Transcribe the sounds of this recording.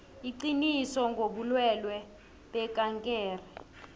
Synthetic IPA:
iǃinisɔŋɡʱoɓulwɛlwɛ | ɓɛkʼaŋkʼɛːrɛ

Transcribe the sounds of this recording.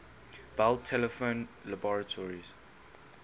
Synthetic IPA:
b̥altʰɛləfõnlabɔɹətʰɔɹiz̥

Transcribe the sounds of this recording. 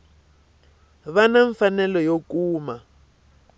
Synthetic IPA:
βanaɱfanɛlɔjokuːma

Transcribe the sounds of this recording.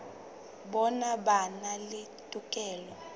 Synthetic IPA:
ɓɔnaɓanalɪ | tʼukʼɛːlɔ

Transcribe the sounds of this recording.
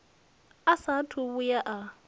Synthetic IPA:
asatʰʊβʊjaʔa

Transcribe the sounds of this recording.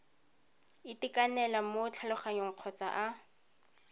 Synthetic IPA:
ɪtɪkanɛlamot͡ɬʰalʊχaɲoŋ̩q͡χʰɔt͡sa̰ʔa

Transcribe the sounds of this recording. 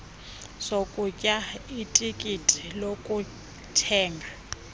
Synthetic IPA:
sokʼucʼaitʼikʼitʼi̥lokʼu | tʰɛːŋɡʱa

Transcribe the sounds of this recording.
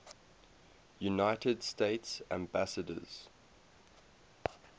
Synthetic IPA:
junaɪtʰəd̥steɪtsæ̰̃mbasədə̰z̥

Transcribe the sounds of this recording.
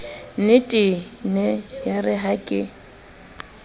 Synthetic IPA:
nɪtʼɪnɛjarɪɦakʼɪ

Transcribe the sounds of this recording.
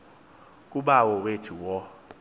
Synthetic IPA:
k̬ʼuɓawɔwetʰuwɔ

